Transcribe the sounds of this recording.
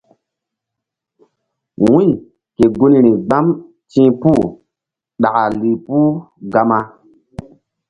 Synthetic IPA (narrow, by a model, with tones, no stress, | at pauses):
wũ˦j | ke˨ɡu˦nɾi˨ɡ͡ba˦m | tĩ˦pu˦˨ | ɗa˨a˨li˨pu˦ | ɡa˦ma˦